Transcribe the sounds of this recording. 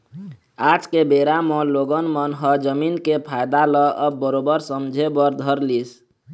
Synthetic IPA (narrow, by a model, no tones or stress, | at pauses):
ad͡ʒkebeɾamɔloɡənmənɦəd͡ʒəminkepʰajd̪alɔʔəbːəɾobəɾsəmd͡ʒʱebəɾd̪ʱəɾlis